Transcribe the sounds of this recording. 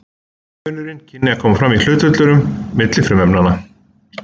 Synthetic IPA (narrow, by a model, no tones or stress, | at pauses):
œːnʏɾɪncʰɪnːɪakʰɔːmafɾamil̥ʏːt̪ʏt̪lʏɾʏmːɪt̪lɪfɾʏmɛpnana